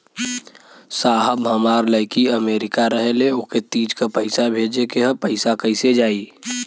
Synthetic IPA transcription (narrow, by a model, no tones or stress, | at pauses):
saːɦəbɦəmaːɾləɪkiəmeːɾɪkaɾəɦeleoket̪iːd͡ʒkapəɪsabʱeːd͡ʒekeɦə̃pəɪsakəɪsed͡ʒaːiː